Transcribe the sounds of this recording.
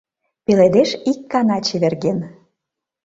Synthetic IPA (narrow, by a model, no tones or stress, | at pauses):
peled̪eʃikːɑnɑt͡ɕeβerɣen